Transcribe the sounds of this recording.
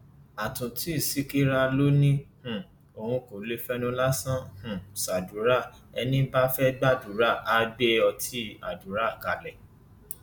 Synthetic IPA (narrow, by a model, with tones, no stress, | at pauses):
a˨tũ˨ti˨˦i˦˨si˦ki˦ɾa˧lo˦nĩ˦hũ˨ | o˨hũ˧ko˨le˦fɛ˦nũ˧la˦sã˦hũ˨sa˨du˨˦ɾa˦˨ | ɛ˧nĩ˦ba˦fɛ˦ɡ͡ba˦du˨˦ɾa˦˨a˧ɡ͡be˦ɔ˧tʰi˦a̰˨du˨˦ɾa˦˨ka˨lɛ˨